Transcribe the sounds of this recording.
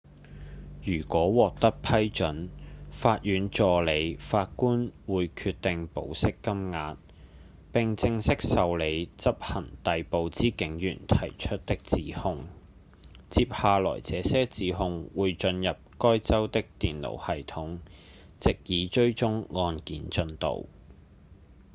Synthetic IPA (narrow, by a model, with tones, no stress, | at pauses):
jyː˨˩kʷɔː˨˥wɔː˨k̚t̪ɐ˥k̚pʰɐ˥jt͡ʃɵ˨˥nfaː˧t̚jyː˨˧˥nt͡ʃɔː˨˧le˨˧jfaː˧t̚kuː˥nwuː˨˧jkʰyː˧t̚t̪ːɪ˨ŋpo̰˨˥wsɪ˥kːɐ˥mŋaː˧t̚ | pɪ˨ŋt͡sɪ˧ŋsɪ˥k̚sɐ˨wle˨˧jt͡sɐ˥p̚hɐ˨˩nt̪ɐ˨jpo˨wt͡siː˨˥kɪ˨˥ŋjy̰ː˨˩nt̪ʰɐ˨˩jt͡ʃʰɵ˥t̚t̪ɪ˥k̚t͡siː˨˥hʊ˧ŋ | t͡siː˧p̚haː˨lɔ̰ː˨˩jt͡sɛː˨˥sɛː˥t͡siː˨˧ɦʊ˧ŋwuː˨˧jt͡ʃɵ˧njɐ˨p̚kɔː˥jt͡sɐ˥wt̪ɪ˥k̚t̪iː˨nlo̰˨˩whɐ˨jt̪ʰʊ˨˥ŋ | t͡sɪ˨k̚jiː˨˧t͡ʃɵ˥ɥt͡sʊ˥ŋːɔː˧nkiː˨nt͡ʃɵ˧nt̪o̰˨˩w